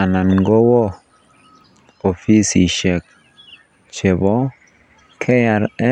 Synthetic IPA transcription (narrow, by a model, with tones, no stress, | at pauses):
a˨na˨nŋɡɔ˦wɔ˦ | o˨fi˦sḭ˨ʃɛ˨k̚ | t͡ʃe˨bɔ˦ | kʰɛ˦ja˨ɾɛ˦